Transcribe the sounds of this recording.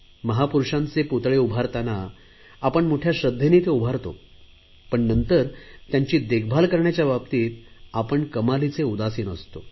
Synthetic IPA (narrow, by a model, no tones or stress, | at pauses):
məɦapuɾʂãnt͡seput̪ɭeubʱaɾt̪anaː | pəɳmoʈʰjaɕəd̪ʱːjenit̪eubʱaɾt̪o̰ | pəɳnənt̪əɾt̪jaɲt͡ɕiːd̪eɡ̚ʰbʱalkəɾɳjat͡ɕjababt̪iːt̪apəɳkəmalit͡seud̪asiːnəst̪o